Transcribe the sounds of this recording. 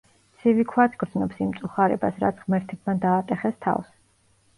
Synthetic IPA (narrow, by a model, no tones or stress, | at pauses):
t̪sʰivikʰwat̪ʰɡɾd̪znɔpsimt̪sʼuχaɾɛ̰basɾa̰t̪sʰʁmɛɾt̪ʰɛb̚mad̪aːt̪ʼɛχɛst̪ʰa̰fs